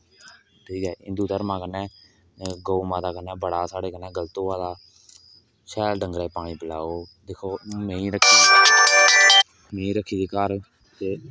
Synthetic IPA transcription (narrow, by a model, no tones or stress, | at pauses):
ʈʰiːkɦɛːɪ̃nd̪uːt̪əɾmãːkənɛ̃ː | ɡoːuːmãːd̪aːkənɛ̃ːbəɽaːsaːɽeːkənɛ̃ːɡəlt̪õːʋaːd̪aː | ʃɛːlɖəŋɡɾeːpaːɽ̃iːpəla̰ːoː | d̪eːkʰoːmẽːĩːɾəkʰːiː | mẽːĩːɾəkʰːiːd̪eːkəɾ | t̪eː